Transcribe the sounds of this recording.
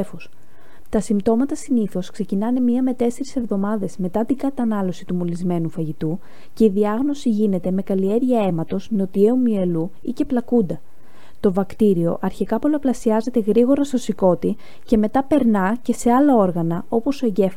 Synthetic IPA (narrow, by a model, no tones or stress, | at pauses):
fos | t̪ɐsimbt̪o̞mɐt̪ɐsiniθo̞skse̞cinɐnemɲiɐme̞t̪e̞se̞ɾise̞vðo̞mɐðe̞zme̞t̪ɐt̪iŋɡɐt̪ɐnɐlo̞sit̪umulizme̞nufɐʝit̪u | ce̞iðiɐɣno̞siʝine̞t̪e̞me̞kɐlie̞ɾʝɐe̞mɐt̪o̞zno̞t̪ie̞umie̞lu | ice̞plɐkund̪ɐ | t̪o̞vɐkt̪iɾio̞ʔɐɾçikɐpo̞lɐplɐsiɐze̞t̪e̞ɣɾiɣo̞ɾɐst̪o̞siko̞t̪i | ce̞me̞t̪ɐpe̞ɾnɐce̞se̞ɐlɐo̞ɾɣɐnɐo̞po̞soeɲɟe̞f